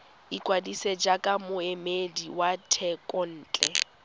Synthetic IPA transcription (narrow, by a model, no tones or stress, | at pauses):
ikʼwadised͡ʒakʼamʊemediwatʰɛkʼɔn̩ːt͡ɬʼɛ